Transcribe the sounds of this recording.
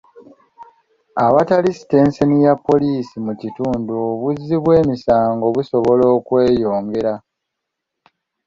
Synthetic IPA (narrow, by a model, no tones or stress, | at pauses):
aβatalisi̥te̞ːnsenijapːo̞liːsimucituːnduoβuzːiβwe̞ːmisaːŋɡo̞βuso̞βo̞lo̞ːkwe̞ːjo̞ːŋɡe̞ɾa